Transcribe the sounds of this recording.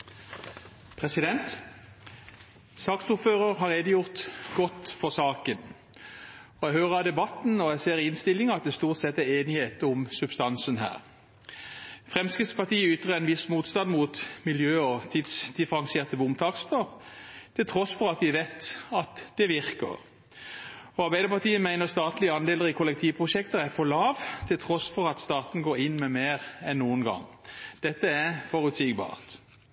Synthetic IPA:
pʰʁɛsɪd̪ɛnt̪ | sɑːksʊføːʁəʁɦɑɾeːd̪əjʊʁt̪ɡɔt̪fɔʁsɑːkən | ɔjæɡhøːʁəɑd̪ɛbɑt̪ːn̩ɔæɡseːʁɪnst̪ɪlːɪŋəɑt̪̚d̪ɛst̪uːʁt̪sɛt̪ːæeːnɪheːt̪ʊmsʉbst̪ɑnsənɦæ̰ːʁ | fʁɛmskʁɪt̪spɑʁt̪ʰiːəʏt̪ʁəɛɪnʋɪsmuːt̪st̪ɑnmuːt̪mɪljøːɔt̪ʰid̪sd̪ɪfəɾɑŋsɪeːʁt̪əbʊmt̪ʰɑːkst̪əʁt̪ʰɪlt̪ʰʁɔsfɔɾɑt̪ʋɪʋet̪ɑt̪d̪̥ɛʋɪʁkə̰ʁ | ɔɑɾbæɪd̪əɾpɑt̪iːəmæɪnəʁst̪ɑːt̪lɪəɑnd̪eːləʁɪkʰʊlɛk̚t̪ʰiːʋpʰʁʊʃɛkt̪əæfɔlɑːʋt̪ʰɪlt̪ʰʁɔsfɔʁɑt̪st̪ɑːt̪n̩ɡoːɾɪnːmɛmeːʁɛnːuːənɡɑ̰ŋːd̪̥ɛt̪ːəæfɔʁʉt̪sɪɡbɑ̰ːʁt̪

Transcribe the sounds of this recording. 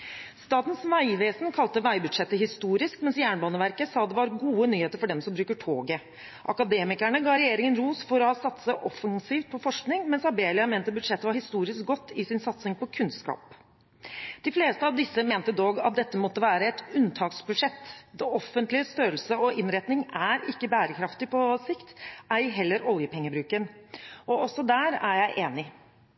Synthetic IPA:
st̪ɑːt̪n̩sʋæɪʋeːsnkʰɑlt̪əʋæɪbʉd̪ʂɛt̪ːəɦɪst̪uːɾɪskmɛnsjæːɳbɑːnəʋæɾkəsɑːd̪ɛʋɑɾɡuːənyːheːt̪əɾfɔɖɛmsɔmbɾʉːkəʈʰo̰ːɡə | ʔɑkɑd̪eːmɪkæɳəɡɑːɾɛjeːɾɪŋənɾuːsfɔɾɔsɑt̪səʔɔfɑŋsiːft̪̚pʰɔfɔʂknɪŋmɛnsɑbeːlɪɑmeːnt̪əbʉd̪ʂɛt̪ːəʋɑɾhɪst̪uːɾɪsk̚ɡɔt̪ːɪsɪnsɑt̪sɪŋpɔkʰʉnskɑ̰ːp | d̪̥ɪfleːst̪əɑʋd̪ɪsːəmeːnt̪əd̪oːɡɑt̪̚d̪ɛt̪ːəmɔt̪ːəʋæːɾəɛt̪ʉnt̪ʰɑːksbʉd̪ʂɛt̪ːd̪ɛɔfənt̪lɪəst̪øːɾəlsəɔʔɪnɾɛt̪nɪŋæɾɪkːəbæːɾəkʰɾɑft̪ɪpɔsɪkt̪ʔæɾɦɛlːəɾɔljəpʰɛŋːəbɾʉːkənʔɔɔsɔd̪æːɾæɾjæɪʔeːnɪ

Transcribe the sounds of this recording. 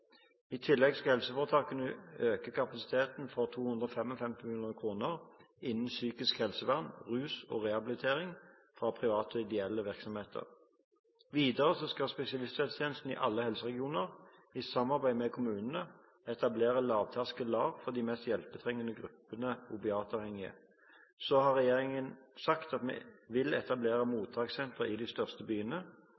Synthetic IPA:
iːt̪ʰɪlːɛɡskɑhɛlsəfɔːʁt̪ʰɑːkənəøːkəkʰɑpɑsɪ̥t̪ʰeːt̪n̩fɔʁt̪ʰuːhʉnd̪ʁɔfɛmɔlfɛmt̪ɪmɪluːnəkʰʁuːnəʁ | ɪnn̩syːkɪskhɛlsəʋɑnʁʉːsɔ̰ːʁɛhɑbɪlɪt̪ʰeːʁɪŋ | fʁɑːpʰʁɪʋɑːt̪ɔɪd̪ɛɛlːəʋɪʁksɔmheːt̪ʰə̰ʁ | ʋiːd̪əʁəsɔskɑlspɛsɪɑlɪst̪ɛt̪st̪ʰeːnəst̪n̩ɪ̰ːʔɑlːəhɛlsəʁɛɡɪuːnəʁ | ɪsɑmːɑʁbæɪmɛkʰʊmʉːnənə | ɛt̪ɑbleːʁəlɑːʋt̪ʰæʁskəlɑːʋfɔʁd̪iːmɛst̪jɛlpət̪ʰʁɛŋːənəɡʁʉpːənəʊbɪɑːt̪ɑːʋhɛŋːɪə̰ | sɔhɑʁɛjeːʁɪŋənsɑkt̪ɑt̪mḛʋɪlɛt̪ɑbleːʁəmuːt̪ʰɑːksɛnt̪ʁəɪd̪ɪst̪œʁst̪əbyːənə

